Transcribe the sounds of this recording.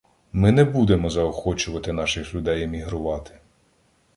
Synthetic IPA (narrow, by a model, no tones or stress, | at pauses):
mɪnɛbud̪emɔzɐɔxɔt͡ʃʊʋɐt̪ɪnɑʃɪxlʲʊd̪ɛjemʲiɦɾʊʋɑt̪ɪ̥